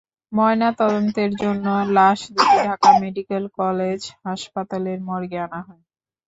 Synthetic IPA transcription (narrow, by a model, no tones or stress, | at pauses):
mɔenat̪ɔd̪ont̪eɾd͡ʑonːolaʃd̪ekʰeʈʰakameɖikelkɔled͡ʑɦaʃpat̪aleɾmɔɾɡeanaɦɔe